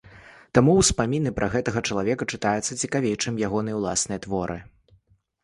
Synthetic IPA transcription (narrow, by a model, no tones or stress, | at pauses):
t̪amuwspamʲinɨpɾʔɐɣɛt̪ɐɣɐt͡ʂɐlˠavʲɛkɐt͡ʂɨt̪ajut̪sːɐt͡sʲikavʲejt͡ʂɨmjaɣɔnɨjɐwlˠa̰snɨjɐt̪vɔɾʔɨ̰